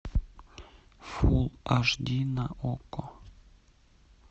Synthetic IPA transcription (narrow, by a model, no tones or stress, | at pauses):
fulˠaʒd̪ʲinaʔoko